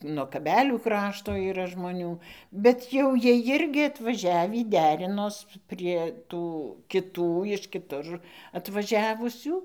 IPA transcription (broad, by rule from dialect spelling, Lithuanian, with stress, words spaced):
nuɔ kɐˈbʲæːlʲuː ˈkrɑːʃtoː iːˈrɐ ʒmoːˈnʲuː bʲɛt jɛʊ ˈjiɛ ˈjɪrʲɡʲɪ ɐtʋɐˈʒʲæːʋʲiː ˈdʲæːrʲɪnoːs pʲrʲiɛ ˈtuː kʲɪˈtuː ɪʃ kʲɪˈtʊr ɐtʋɐˈʒʲæːʋʊsʲuː